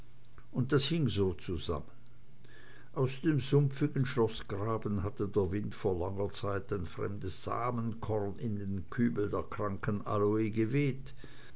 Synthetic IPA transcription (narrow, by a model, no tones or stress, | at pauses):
ʔʊnt̚d̥ashɪŋzoːt͡suza̰mən | ʔaʊsd̥eːmzʊmp͡fɪɡən̩ʃlɔsɡ̥ʁaːbn̩ɦatədeːɐvɪntfoːɐlaŋɐt͡saɪtaɪnfʁ̥ɛ̰mdəsz̥a̰ːmənkʰɔɐnɪndeːnkʰyːbl̩deːɐkʁ̥aŋkəna̰loeɡəveːt